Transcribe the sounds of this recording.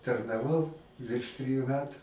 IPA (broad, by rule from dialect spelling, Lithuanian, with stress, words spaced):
tɐrnɐˈʋɐʊ ʋʲɪrʃ ˈtʲrʲiːjʊ ˈmʲæːtʊ